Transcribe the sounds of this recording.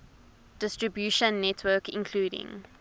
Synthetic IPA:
d̥ɪstɹəbjuʃə̃nːɛtʰwəːˑkɪ̰̃nkʰl̥uːɾɪ̰̃ŋ

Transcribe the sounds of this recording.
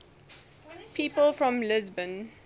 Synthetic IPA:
pʰiːpəlˠfɹɔ̃mlɪzbə̃n

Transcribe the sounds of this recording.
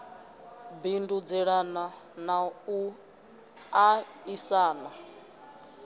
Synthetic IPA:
bindud͡zɛɺananau | aisaːna

